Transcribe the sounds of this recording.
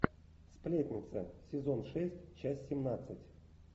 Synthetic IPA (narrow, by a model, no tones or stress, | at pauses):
splʲetʲnʲɪt̪sə̰sʲɪzo̞nʂɛsʲtʲt͡ɕasʲsʲɪmnat̪sɨtʲ